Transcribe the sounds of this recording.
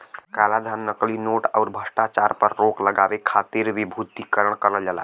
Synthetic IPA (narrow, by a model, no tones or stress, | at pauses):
kalad̪ʱanːəklinoʈaʊɾbʱəsʈat͡ʃaɾpəɾːokləɡabekʰat̪iɾʋibʱut̪ikəɾəɳkəɾəld͡ʒala̰